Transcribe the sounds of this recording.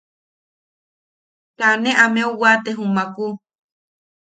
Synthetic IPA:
t̪anẽʔamẽowat̪eɦumãku

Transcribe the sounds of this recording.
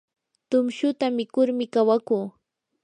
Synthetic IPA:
t̪ʊmʃʊt̪amɪkʊɾmɪkawakuː

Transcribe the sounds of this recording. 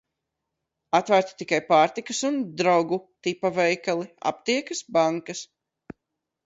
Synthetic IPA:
at̪væɾt̪i̥t̪ikajpaːɾt̪ikɨsund̪ɾawɡut̪ipavɛjkalˠia̰p̚t̪iɛkɨsbaŋkɐs

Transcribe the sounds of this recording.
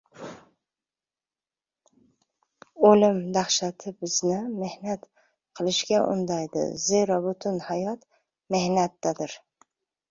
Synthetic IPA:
olɪmd̪aχʃat̪ʰɪbɪznɪme̞hnat̪ | qʰɨlˠɪʃɡʲaʔʊ̰nd̪ajd̪ɪ̰zeɾɒbʊt̪ʰʊnhajɒt̪ | me̞hnat̪ːad̪ɪɾ

